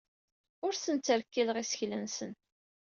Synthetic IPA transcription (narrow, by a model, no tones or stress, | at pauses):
ʊɾsənt͡sːəɾkːiləʁisə̥çlənsən